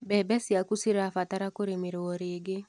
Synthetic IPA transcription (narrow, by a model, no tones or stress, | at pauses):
bɛːbɛsiakusiɾafataɾakoɾemiɾwɔɾeːɡe